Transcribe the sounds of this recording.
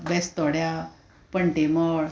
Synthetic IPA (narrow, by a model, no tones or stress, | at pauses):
bɛst̪ɔɽja | pəɳʈemɔɽ